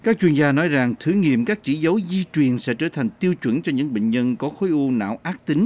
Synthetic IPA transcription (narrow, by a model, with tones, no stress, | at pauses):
kaː˦˥k̚t͡ɕwi˧ənzaː˧nɔ˨˦jza˨˩ŋt̪ʰɨ˨˦ŋḭ˧˨əmkaː˦˥k̚t͡ɕḭ˧˥zə˨˦wzi˧t͡ɕwi˨˩ənsɛ̰˧˥t͡ɕəː˧˩t̪ʰa˨˩ŋ̟t̪i˧əwt͡ɕwə˧˩nt͡ɕɔ˧ɲɨ̰˧˥ŋɓḛ˧˨ŋ̟ɲə˧nkɔ˨˦xo˨˦jʔu˧na̰ː˧˨wʔaː˦˥k̚t̪i˨˦ŋ̟